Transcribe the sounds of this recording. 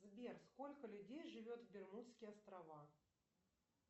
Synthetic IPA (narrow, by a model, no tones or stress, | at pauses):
zbʲersko̞lʲkəlʲʊdʲejʐɨvʲot̪vbʲɪrmut̪skʲɪjɐst̪ɾɐva